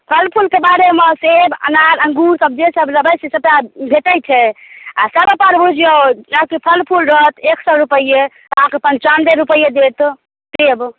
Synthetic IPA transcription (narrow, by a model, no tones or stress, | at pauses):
pʰəlpʰulkebaɾemesebə̰naɾə̃ŋɡuɾsəb̚d͡ʒesəbləbəjsesəbjabʱeʈəjt͡ʃʰɛasəbəpaɾbʱud͡ʒijod͡ʒakipʰəlpʰulɾɔt̪eksɔɾupəiet̪akepənt͡ʃand̪eɾupəjed̪et̪ | seb